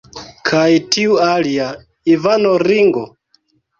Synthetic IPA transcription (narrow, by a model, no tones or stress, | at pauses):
kʰaitiualia | ivanoɾiŋɡɔ